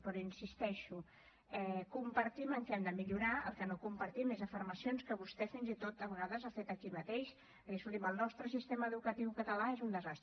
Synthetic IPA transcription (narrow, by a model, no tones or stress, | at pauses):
pɾɔinsist̪ɛʃu | ɛkumpəɾt̪iməŋkɛɛmd̪əmiʎuɾaəlˠkənokumpəɾt̪imezəfiɾməsionskəβust̪ɛfinzit̪ot̪̚əβəɣaðəzafet̪əkimət̪eʃ | əɣɛsuiməlˠnɔst̪ɾəsist̪eməːðukət̪iwkət̪əlaezund̪əzast̪